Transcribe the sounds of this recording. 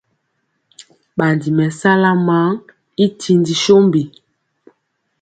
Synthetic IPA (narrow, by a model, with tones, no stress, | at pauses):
ɓa˨ndi˨mɛ˨sa˦la˦ma˨˦ŋ | i˦tʰi˨ndi˨ʃo˦mbi˨